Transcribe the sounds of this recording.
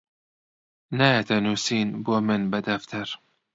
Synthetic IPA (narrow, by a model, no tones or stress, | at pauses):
najɐt̪ʰɐnuːsiːnbuːmɨnbɐd̪ɐft̪ʰɐɾ